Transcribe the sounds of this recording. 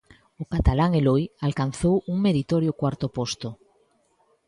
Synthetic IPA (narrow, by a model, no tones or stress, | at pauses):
okat̪alaŋelojalkan̟θowuŋmeɾit̪oɾjokwaɾt̪opost̪o